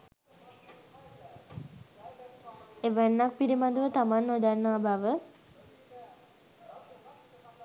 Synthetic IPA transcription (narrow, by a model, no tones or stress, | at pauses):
eʋənːak̚piɾimad̪əʋət̪amanːod̪anːaːbaʋə